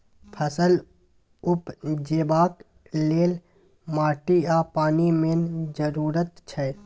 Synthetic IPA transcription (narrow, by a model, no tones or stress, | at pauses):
pʰəsəl | ʊpd͡ʒeːbaːk | leːl | maːʈiaːpaːnimend͡ʒəɾuːɾət̪t͡ʃʰɛ